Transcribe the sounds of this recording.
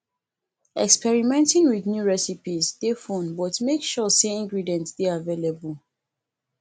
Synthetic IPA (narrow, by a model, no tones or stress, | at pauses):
ɛkspɛɹimɛ̃ntĩŋwiðnjuɹɛsipisdefõnbɔtmekʃɔseĩŋɡɹidiɛ̃ntsdeavelebəl